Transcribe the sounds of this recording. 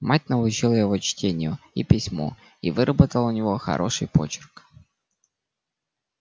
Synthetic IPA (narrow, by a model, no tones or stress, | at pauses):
mat̚ʲnəʊt͡ɕilˠəjɪvo̞t͡ɕtʲenʲɪjʊipʲɪsʲmo̰ | ḭvɨɾʔəbət̪əlˠʊnʲɪvo̞xɐ̰ɾʔo̞̰ʂɨjpo̞̰t͡ɕɪ̥rk